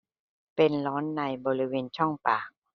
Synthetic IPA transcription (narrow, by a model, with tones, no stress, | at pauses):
pe˧nlɔː˦˥nːa˧jbɔː˧ɾi˦˥weː˧nt͡ɕʰɔ˥˩ŋpaː˨˩k̚